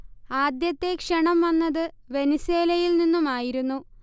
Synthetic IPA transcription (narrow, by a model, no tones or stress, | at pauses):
aːd̪jɐt̪ːe̞kʂɐɳɐmʋɐnːɐðɨ | ʋe̞niseːlɐjilninːumaːjiɾunːu